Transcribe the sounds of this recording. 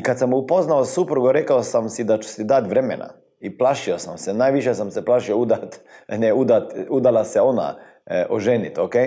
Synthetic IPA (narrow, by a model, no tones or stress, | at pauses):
kat̪samupoznaosupɾuɡoɾekaosamsid̪at͡ʃu̥sid̪at̪ʋɾemḛnʔa̰ | iplaʃiosamsenaːjʋiʃjesamseplˠaʃioud̪at̪neud̪at̪ud̪alaseona̰ | ʔoʒenit̪oke